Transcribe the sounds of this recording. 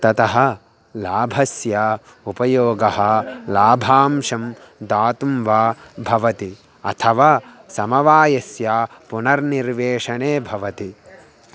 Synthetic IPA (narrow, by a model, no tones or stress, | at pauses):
t̪ɐt̪ɐɦɐ̆ | laːbʱɐsja | upɐjoːɡɐɦɐ̆laːbʱaːmʂɐm | d̪aːt̪umʋaːbʱɐʋɐt̪i | ɐ̰t̪ʰɐʋaː | sɐmɐʋaːjɐsjaːpunɐɾniɾʋeːʂɐɳeːbʱɐʋɐt̪i